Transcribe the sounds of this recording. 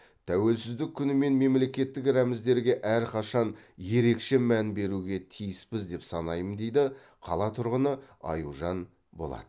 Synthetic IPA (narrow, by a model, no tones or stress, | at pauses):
t̪ʰæwe̞lsɪzd̪ɪkʲʰːʏnɪme̞nme̞mle̞kʲe̞t̪ːɪkɾæmɪzd̪e̞ɾɡʲe̞ʔæɾqʰɑʃɑnje̞ɾe̞kʃe̞mænbe̞ɾuɡʲe̞t̪ʰijɪspɪzd̪e̞psɑnɑjənd̪e̞jd̪ɪ | qʰɑlˠɑt̪ʰʊɾʁənəɑ̰juʒɑn | bo̞lˠɑ̰d̪̥ə